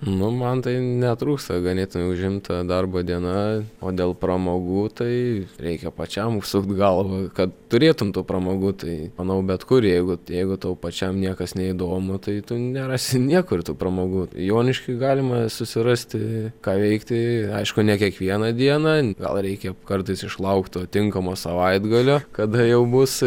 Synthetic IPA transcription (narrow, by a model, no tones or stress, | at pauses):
nʊmɐnt̪ɐɪnʲɛt̪ɾuːkst̪ɐɡɐnʲeːt̪ʊmʲɛʊʒʲɪmt̪t̪ɐd̪ɐrboːd̪ʲiɛnɐoːd̪ʲeːlˠpɾɐmoːɡuːt̪ɐɪɾʲɛɪkʲɛpɐt͡ʃʲɛmʊʃsʊkt̪ɡɐlˠʋɐkɐt̪t̪ʊɾʲeːt̪ʊmt̪uːpɾɐmoːɡuːt̪ɐɪmɐnɐʊbʲɛt̪kʊrjɛɪɡʊjɛɪɡʊt̪oʊpɐt͡ʃʲɛmnʲiɛkɐsnʲɛɪd̪oːmʊt̪ɐɪt̪ʊnʲɛɾɑːsʲɪnʲiɛkʊɾʲt̪uːprɐmoːɡuːjoːnʲɪʃʲkʲɪɡɑːlʲɪmɐsʊsʲɪɾɑsʲt̪ʲɪkɑːʋʲɛɪkt̪ʲɪɐɪʃkʊnʲɛkʲiɛkʋʲiɛnɐd̪ʲiɛnɐɡɐ̰lˠɾʲɛɪkʲɛkɐrt̪ɐɪsɪʃlˠɐʊkt̪t̪oːt̪ʲɪŋkɐmoːsɐʋɐɪd̪ɡɐlʲoːkɐd̪ɐjɛʊbʊs